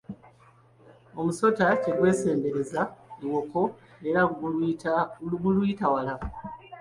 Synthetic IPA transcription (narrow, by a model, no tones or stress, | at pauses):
o̞muso̞tace̞ɡwe̞ːse̞ːmbe̞ɾe̞zaiwo̞ko̞ | e̞ɾa | ɡulwiːtawala